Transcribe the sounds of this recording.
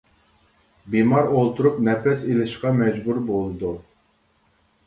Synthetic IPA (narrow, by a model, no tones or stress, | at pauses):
bimɑɾolˠt̪ʰuɾupnɛpɛselɪʃqɑmɛd͡ʒbuɾbolˠɨd̪u